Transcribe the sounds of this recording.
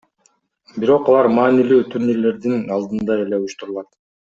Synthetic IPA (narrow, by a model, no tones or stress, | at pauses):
biɾo̞qɑlˠɑɾmɑːnilyːt̪ʰuɾnile̞ɾd̪inɑlˠd̪ɯnd̪ɑe̞le̞ujuʃt̪uɾulˠɑt̪